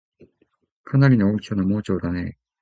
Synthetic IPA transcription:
kʰanaɾʲinookʲonamo̞ːt͡ɕo̞ːd̪ane̞

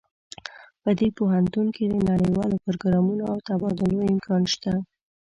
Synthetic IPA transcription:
pəd̪epoɦant̪unked̪ənaɽəjwɑlopʊɾɡɾɑmunoawt̪abɑd̪ʊlojɪmkʰɑnʃt̪a

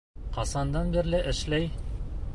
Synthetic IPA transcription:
qɑsɑnd̪ɑnbiɾlɘʔɘ̆ʃlæj

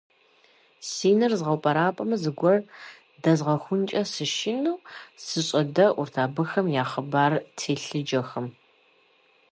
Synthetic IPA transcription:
siːnɨrzʁɐwpʼɐɾaːpʼɐmɐzɨɡʷɔr | dɐzʁɐxʷʊnt͡ʃʼɐsɨʃɪnuwsɨɕʼɐdɐʔʊrtʰaːbɨxɐmjaːχəbaːrtʰeːɬɨd͡ʒɐxɐm

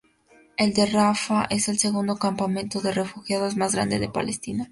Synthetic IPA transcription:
e̞ld̪e̞rafaʔe̞se̞lse̞ɣund̪o̞kampamẽnt̪o̞ðe̞re̞fuxjaðo̞zmazɣɾa̰nd̪e̞̰ðe̞pa̰lest̪ina

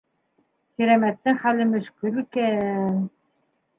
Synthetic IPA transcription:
kiɾæmæt̪ːɘŋχælːɘmɵ̆ʃkɘ̆ɾkæn

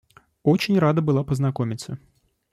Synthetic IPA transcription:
ot͡ɕɪnʲrad̪əbɨlˠapəznɐkomʲɪt̪sə

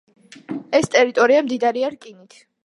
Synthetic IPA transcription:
ɛst̪ʼɛɾit̪ʼɔɾiamd̪id̪aɾiaɾkʼinit̪ʰ

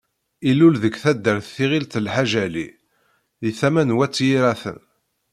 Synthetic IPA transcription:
ilːulðəɡθæd̪ːəɾθθiʁilt̪lħaʒæli | iθæmænwæt͡sːjiɾæθə̰n

